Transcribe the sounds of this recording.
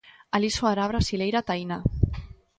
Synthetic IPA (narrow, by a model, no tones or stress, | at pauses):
alisoaɾaβɾasilejɾat̪ajna